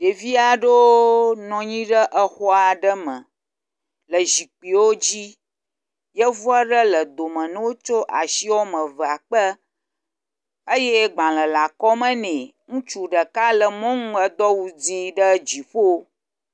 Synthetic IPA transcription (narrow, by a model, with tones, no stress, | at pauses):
ɖe˨vi˦a˨ɖo˦nɔ̃˨ɲĩ˦ɖə˦ʔə˦xɔ˦a˨ɖə˦mə̰̃˨ | lə˨ʒi˨k͡pi˨wo˦d͡ʑi˦ | jə˦vu˦a˦ɖə˦lə˨d̪o˨mə̃˨nɛ̃˦wo˦t͡ʃo˦ʔa˨ʃi˦wo˦mə̃˨və˨a˨k͡pə˦ | ə˦jɛ˦ɡ͡bã˨lə˨la˨kɔ˦mə̃˦nɛ̃˨ | ŋũ˦t͡ʃu˦ɖə˨ka˦lə˨mɔ̃˦ŋũ˦ə˦d̪ɔ˦wu˦d͡zi˦ɖə˦d͡ʑi˨ɸo˦